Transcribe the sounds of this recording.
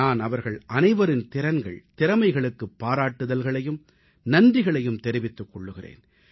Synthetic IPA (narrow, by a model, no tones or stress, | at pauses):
aːnɐʋɐɾɣɐɭʔɐnɐɪʋɐɾɪnt̪ɪɾɐnɡɐ̰ɭt̪ɪɾɐmɐɪɣɐɭɯkːɯpːaːɾaːʈːɯðɐlɣɐɭɐjɯm | nɐndrɪɣɐɭɐjɯmt̪ɛɾɪʋɪt̪ːɯkːɔɭːɯɣɪrḛːn